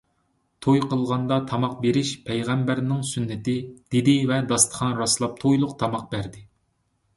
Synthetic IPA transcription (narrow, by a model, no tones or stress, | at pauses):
t̪ʰojqʰəlˠʁɑnd̪ɑt̪ʰɑmɑq̚beɾɪʃpʰɛjʁɛmbæɾnɪŋsynːɪt̪ɪd̪̥ed̪ɪvɛd̪ɑst̪ʰə̥χʰɑnɾɑslˠɑp̚t̪ʰojlˠʊq̚t̪ʰɑmɑq̚bæɾd̪ɪ